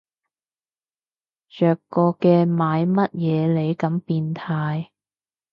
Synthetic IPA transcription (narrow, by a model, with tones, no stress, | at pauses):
t͡ʃœː˨kːɔː˧kɛː˧maː˨˧jmɐ˥t̚jɛː˨˧le˨˧jkɐ˨˥mpiː˧nt̪ʰaː˧j